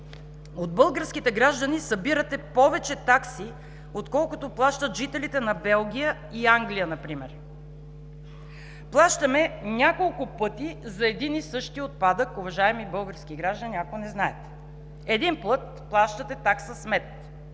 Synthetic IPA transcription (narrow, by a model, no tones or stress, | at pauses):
od̪̚bɤlˠɡəɾskʲit̪ɛɡɾaʒd̪ɐnisɐbiɾət̪ɛpɔvɛt͡ʃɛt̪aksi | ot̪kɔlˠkʊt̪oplˠaʃt̪ət̪ʒit̪ɛlit̪ɛnɐbɛlˠɡʲijə | iaŋɡlijənɐpɾimɛɾ | plˠaʃt̪ɐmɛnʲakolˠkʊpɤt̪izɐɛd̪inisɤʃt̪iot̪̚pad̪əkʊvɐʒaɛmibɤlˠɡəɾskiɡɾaʒd̪əniakonɛznaɛt̪ɛ̥ | ɛd̪inplˠɤt̪ | plˠaʃt̪ət̪ɛt̪aksəsmɛt̪